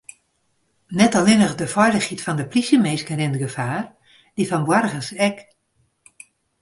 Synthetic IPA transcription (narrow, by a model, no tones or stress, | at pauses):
nɛtɔlɪnəxdəfɔjləxhitfɔndəplisəmeːskərɪndəɡəfaːr | d̥ifɔnbwarɣəsɛk